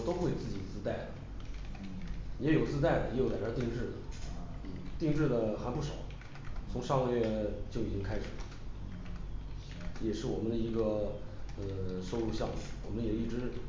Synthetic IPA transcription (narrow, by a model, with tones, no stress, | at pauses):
t̪o˥ʊxwe˥˧ɪt͡sɹ̩˥˩t͡ɕi˨˩t͡sɹ̩˥t̪a˥˩ɪd̪ə˩ | jɛ˧˥jo˨˩ʊt͡sɹ̩˥˧t̪a˥˩ɪd̪ə˩jɛ˧˥jla˨˩ʈ͡ʂɑ˥t̪i˥˧ŋʈ͡ʂɻ̩˥˩d̪ə˩ | n̩˥˩t̪i˥˧ŋʈ͡ʂɻ̩˥˩d̪ə˩xa˧˥npu˥˩ʂɑ˨˩˦ʊ | t͡sʰʊ˧˥ŋʂɑ˥˧ŋ˧ɥɛ˥˧t͡ɕjo˥˩ʊi˨˩t͡ɕi˥ŋkʰa˥ɪʂɻ̩˨˩lə˦ | jɛ˨˩ʂɻ̩˥˩wɔ˨˩mə˦nd̪ə˧i˧˥ɡə˧ | ə˧ʂo˥˧ʊlu˥˧ɕjɑ˥˧ŋmu˥˩wɔ˨˩mə˦njɛ˨˩i˥˩ʈ͡ʂɻ̩˥